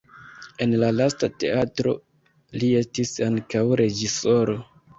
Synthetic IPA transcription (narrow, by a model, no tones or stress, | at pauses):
e̞nlalastate̞̰atɾo̞̰ | lie̞stisaŋkawɾe̞d͡ʒiso̞ɾo̞